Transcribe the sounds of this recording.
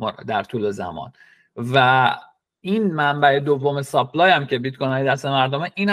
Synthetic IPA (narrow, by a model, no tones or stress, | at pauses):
d̪æɾt̪ʰuːlezæ̰mɒ̰ːn | væ | iːnmæmbæe̞d̪ovːo̞me̞sɒpʰlɒːjæmcʰe̞bit̪̚kʰonɒːjeæst̪e̞mæɾd̪omeʔiːnæ